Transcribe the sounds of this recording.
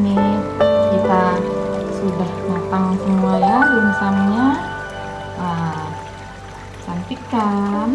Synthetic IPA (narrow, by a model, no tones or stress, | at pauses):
nikit̪a | sudahmat̪aŋsəmuajalunsaŋɲa | a | sant̪ikan